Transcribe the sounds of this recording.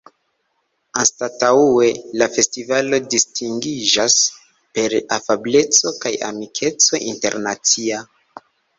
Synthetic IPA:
anstataue̞lafe̞stivalo̞distiŋɡid͡ʒas | pe̞ɾafable̞t͡so̞kaja̰mikʰe̞t͡so̞ʔinte̞̰ɾnat͡sia

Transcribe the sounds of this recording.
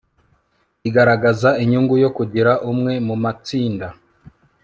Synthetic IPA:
iɡaɾaɡazaiɲuŋɡujo̞kuɟiɾaʔumŋe̞mumat͡siːnda

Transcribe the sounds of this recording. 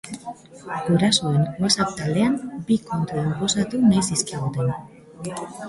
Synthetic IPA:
ɡuɾasoenasakt̪ald̪e̞ambiko̞nt̪uoɣo̞sat̪unajsiskiɣut̪e̞n

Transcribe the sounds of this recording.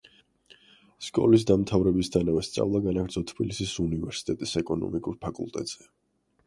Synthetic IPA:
skʼɔ̰lis̬d̪amt̪ʰavɾɛbisd̪ʰanavɛst̪sʼa̰vlˠaɡanaɡɾd̪zɔt̪ʰb̥ilisisunivɛɾsi̥t̪ʼɛt̪ʼisɛkʼɔnɔ̰mikʼuɾpʰakʼṵlˠt̪ʼɛ̰t̪ʼz̥ɛ

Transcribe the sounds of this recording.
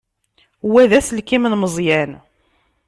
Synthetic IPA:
wæðæsəlkimnməzˤjæn

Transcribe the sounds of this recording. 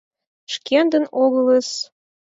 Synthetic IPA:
ʃkend̪ə̆noɣə̆ləs

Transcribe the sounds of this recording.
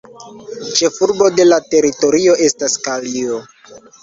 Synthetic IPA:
t͡ʃe̞fuɾbo̞de̞late̞ɾito̞ɾio̞ʔe̞staskalio

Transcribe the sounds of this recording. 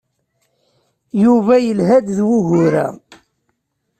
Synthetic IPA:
juvæjəlɦæd̪ðwuɦʊɾæ̰

